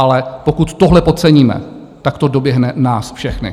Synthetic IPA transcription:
ʔalɛpo̞kut̪ːoɦlɛpo̞t̪t͡sɛɲiːmɛ̰ | t̪akt̪o̞do̞bjɛɦnɛnaːsfʃɛxnɪ̰

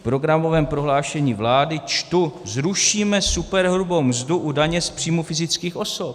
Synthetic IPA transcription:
pɾo̞ɡɾamo̞vɛːmpɾo̞ɦlaːʃɛɲiːvlaːdɪt͡ʃt̪uzɾuʃiːmɛsupɛɾɦɾubowmzduʔudaɲɛspr̥iːmufɪzɪt͡skiːxʔo̞sop̚

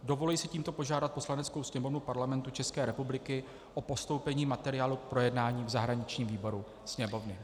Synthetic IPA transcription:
do̞vo̞lɛjsɪciːmt̪o̞po̞ʒaːdat̪̚po̞slanɛt͡skowsɲɛmo̞vnupaɾlamɛnt̪ut͡ʃɛskɛːɾɛpublɪkɪ | ʔopo̞st̪owpɛɲiːmat̪ɛɾɪjaːluk̚pɾo̞jɛdnaːɲiːvzaɦɾaɲɪt͡ʃɲiːmviːbo̞ɾu | sɲɛmo̞vnɪ

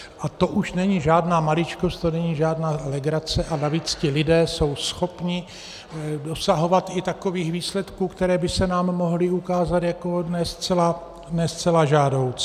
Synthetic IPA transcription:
ʔat̪o̞ʔuʃnɛɲiʒaːdnaːmalɪt͡ʃko̞st̪̚t̪onɛɲiːʒaːdnaːlɛɡɾat͡sɛʔanaviːt͡scɪlɪdɛːso̞wsxo̞pɲɪ | do̞saɦo̞vat̪ɪt̪ako̞viːxviːslɛt̪kuːkt̪ɛɾɛːbɪsɛnaːmːoɦlɪukaːzat̪jako̞nɛst͡sɛla | nɛst͡sɛlaʒaːdo̞wt͡s

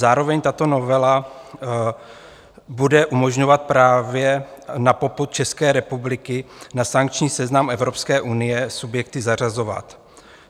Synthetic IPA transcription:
zaːɾo̞vɛɲt̪at̪o̞no̞vɛla | budɛʔumo̞ʒɲo̞vat̪̚pɾaːvjɛnapo̞put̪̚t͡ʃɛskɛːɾɛpublɪkɪnasaŋk̚t͡ʃɲiːsɛznamɛvɾo̞pskɛːʔunɪjɛsubjɛk̚t̪ɪzar̝azo̞va̰t̪

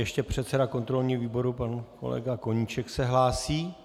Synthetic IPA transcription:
jɛʃcɛpr̝̥ɛt̪sɛdako̞nt̪ɾo̞lɲiːviːbo̞ɾupanko̞̰lɛ̰ɡako̞ɲiːt͡ʃɛksɛɦlaːsiː

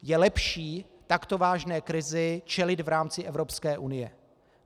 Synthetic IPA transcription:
jɛlɛpʃiː | t̪akt̪o̞vaːʒnɛːkɾɪzɪt͡ʃɛlɪd̪vɾaːmt͡sɪʔɛvɾo̞pskɛːʔunɪjɛ

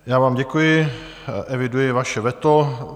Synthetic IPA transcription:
jaːvaːmɟɛkujɪ | ʔɛvɪdujɪvaʃɛvɛt̪o

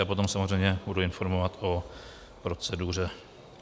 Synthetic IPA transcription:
apo̞t̪o̞msamozrɛjɲɛbuduɪnfo̞ɾmovat̪ʔo̞ | pɾo̞t͡sɛdur̝ɛ

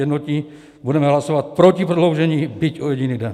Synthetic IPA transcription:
ɛdnot̪ɲi | budɛmɛɦlasovat̪̚pɾocipɾodlowʒɛɲiːbicojɛɟiniːdɛn

